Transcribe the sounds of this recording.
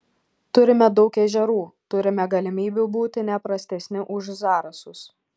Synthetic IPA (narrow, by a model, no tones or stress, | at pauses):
t̪ʊɾʲɪmʲɛd̪ɒʊkɛʒʲɛɾuːt̪ʊɾʲɪmʲɛɡɐlʲɪmʲiːbʲubuːt̪ʲɪnʲɛpɾɐsʲt̪ʲɛsʲnʲɪʔʊʒzɑːɾɐsʊs